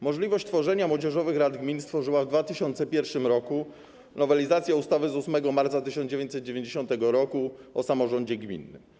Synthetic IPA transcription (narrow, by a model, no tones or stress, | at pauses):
mɔʐlʲivɔɕt͡ɕt̪fɔʐɛɲamwɔd͡ʑɛʐɔvɘxɾad̪ɡmʲinst̪fɔʐɘwavd̪vat̪ɘɕɔnt̪sɛpʲjɛɾfʂɘmɾɔku | nɔvɛlʲizat̪sʲjaust̪avɘzusmɛɡɔmaɾt̪sat̪ɘɕɔ̃nd͡ʑevjeɲt͡ɕ̪ʲsɛt̪̚d͡ʑevʲeɲd͡ʑeɕɔ̃nt̪ɛɡɔɾɔkuɔsamɔʐɔɲd͡ʑɛɡmʲḭnːɘ̰m